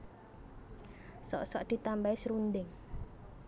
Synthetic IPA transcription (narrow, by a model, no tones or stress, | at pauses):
sɔ̰ʔsɔʔd̪̥i̤t̪ambaisɾund̪ɪŋ